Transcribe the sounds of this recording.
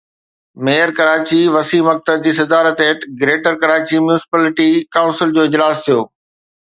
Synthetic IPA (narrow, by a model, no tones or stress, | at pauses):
meːəɾkɐɾaːt͡ɕiʋɐsiːmɐk̚t̪əd̪̚d͡ʑiːsɐd̪aːɾət̪eːʈɡɾeːʈəɾkɐɾaːt͡ɕimjunɪsɪ̥paːlɪʈikaːʊ̃nsɪld͡ʑoːɪd͡ʑlaːst̪ʰijoː